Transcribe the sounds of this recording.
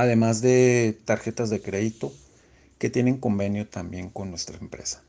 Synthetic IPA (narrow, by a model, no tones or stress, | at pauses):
aðe̞mazðe̞t̪aɾxe̞t̪azðe̞kɾe̞ðit̪o̞ | ke̞t̪je̞ne̞ŋko̞mbe̞njo̞t̪ambje̞ŋko̞nːwe̞st̪ɾaempɾe̞̰sḁ